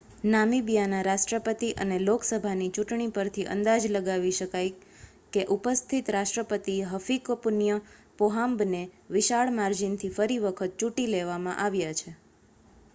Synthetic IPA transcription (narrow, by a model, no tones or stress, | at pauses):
namibjanaɾaʃʈɾəpət̪iʔə̰neloksəbʱanit͡ʃuʈɳ̃ipəɾt̪ʰiʔə̰nd̪ad͡ʒləɡaʋiʃəkaj | keʔupəst̪ʰit̪ɾaʃʈɾəpət̪iɦəfikopunjəpoɦambneʋɪʃaɭmaɾd͡ʒint̪ʰifəɾiʋəkʰət̪̚t͡ʃuʈileʋamãʔaʋjat͡ʃʰe